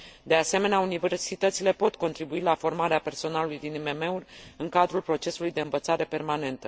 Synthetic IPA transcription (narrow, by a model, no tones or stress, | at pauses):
d̪e̞ase̞me̞neaunive̞rsit̪ət̪sile̞po̞t̪ko̞nt̪ɾibuilafo̞rmaɾeape̞rso̞nalulujd̪inime̞me̞urʲɨŋkad̪ɾulpɾo̞t͡ʃe̞sulujd̪e̞ɨnvət̪saɾe̞pe̞rmane̞nt̪ə